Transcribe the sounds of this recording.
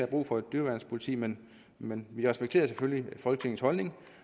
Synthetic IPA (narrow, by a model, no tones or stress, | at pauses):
æb̥ʁṵːfɒ̽e̝d̥ːyɐʋæɐnspʰo̝lit͡sʰḭːmen | menʋiʁɛsb̥eɡ̥̚t͡sʰḛːɐseføljifɒ̽lɡ̥ət͡sʰe̝ŋn̩shɒ̽lne̝ŋ